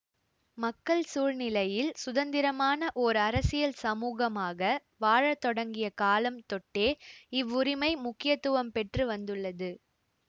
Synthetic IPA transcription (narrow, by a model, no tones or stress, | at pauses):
mɐkːɐɭsuːɻnɪlɐjɪlsʊðɐnd̪ɪɾɐmaːnɐʔɔɾɐɾɐsɪjɐlsɐmuːɣɐmaːɣɐ | ʋaːɻɐt̪ːɔɽɐŋɡɪjɐkaːlɐmt̪ɔʈːeːɪʋːʊɾɪmɐɪmʊkːɪjɐt̪ːɯʋɐmpɛʈrɯʋɐnd̪ɯɭːɐðɯ